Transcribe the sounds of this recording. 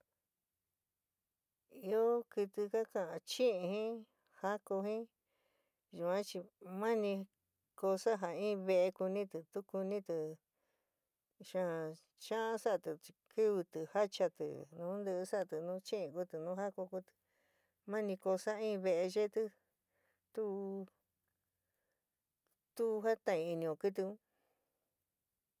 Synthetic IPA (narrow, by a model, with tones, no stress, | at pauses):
i˧o˦kɨ˧t̪ɨ˧ka˦kã˧ʔã˧t͡ʃĩ˦ʔĩ˧hĩ˦ | ha˦ko˧hĩ˦ | ʒu˨ã˦t͡ʃi˧mã˦nĩ˧ | ko˧sa˦ɦa˨ĩː˦˧βe˧ʔe˧ku˧nĩ˦t̪ɨ˨˧t̪u˦ku˧nĩ˦t̪ɨ˨ | ʃã˦˧ | t͡ʃã˦ʔã˦sa˦˧t̪ɨ˨˧kʰɨ˦βɨ˧t̪ɨ˨ha˦t͡ʃa˧t̪ɨ̰˨nũ˨˦nd̪ɨ˧ʔsa˦˧t̪ɨ˨nũ˦t͡ʃĩ˦ĩ˧ku˦t̪ɨ˨nũ˦ɦa˦ko˧ku˧t̪ɨ̥˧ | mã˦nĩ˧ko˧sa˦ĩː˦˧βe˧ʔe˧ʒe˦t̪ɨ˦ | t̪u˦ | t̪u˦˧ɦa˦t̪ã˧˨ĩ˧i˧nĩ˧õ˨kɨ˦t̪̬ɨ˧ũ˦